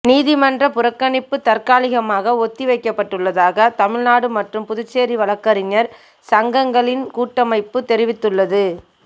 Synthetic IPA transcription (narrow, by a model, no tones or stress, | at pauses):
niːðɪmɐndrɐpʊɾɐkːɐɳɪpːɯt̪ɐrkaːlɪɣɐmaːɣɐɔt̪ːiʋɐɪkːɐpːɐʈːɯɭːɐðaːɣɐt̪ɐmɪɻnaːɽɯmɐʈrɯmpʊðʊt͡ʃːeːɾiʋɐlɐkːɐɾɪɲɐɾ | sɐŋɡɐŋɡɐɭɪnkuːʈːɐmɐɪpːɯt̪ɛɾɪʋɪt̪ːɯɭːɐðɯ